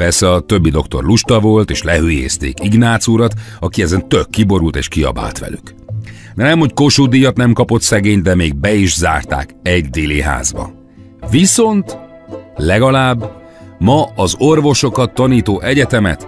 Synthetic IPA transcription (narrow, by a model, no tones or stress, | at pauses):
pɛrsɛɒt̪ø̞bːid̪o̞kt̪o̞̰rluʃt̪ɒvo̞lt̪eːʃlɛɦyːjḛːst̪ḛːkiɡnaːt̪suɾɒt̪ɒkiɛzɛnt̪økːibo̞ɾult̪ḛːʃkiɒ̰ba̰ːlt̪ʋɛ̰lyk | nɛmho̞cko̞ʃud̪iːjɒt̪nɛmkɒpo̞t̪sɛɡeːɲd̪ɛmeːɡ̚bɛiʒza̰ːrt̪a̰ːkɛɟd̪eːliɦa̰ːzbɒ̰ | viso̞nt̪ | lɛɡɒlaːbː | mɒɒzo̞rvo̞ʃo̞kɒt̪ːɒniːt̪oːʔɛɟɛt̪ɛmɛ̰t̪